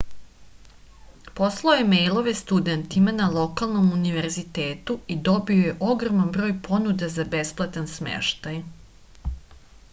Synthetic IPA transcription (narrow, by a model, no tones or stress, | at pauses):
po̞slˠaojemejlˠo̞ʋe̞st̪ud̪e̞nt̪imanalˠo̞kalˠno̞muniʋe̞ɾzit̪e̞ːt̪uid̪o̞bioje̞ʔo̞ɡɾo̞manbɾoːjpʰo̞nud̪ezabe̞splˠat̪ansmḛʃt̪aj